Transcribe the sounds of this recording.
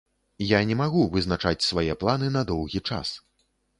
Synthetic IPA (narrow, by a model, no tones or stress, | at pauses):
janʲɛmaɣuvɨznat͡ʂat͡sʲsvajɛplˠanɨnɐd̪ɔwɣʲit͡ʂa̰s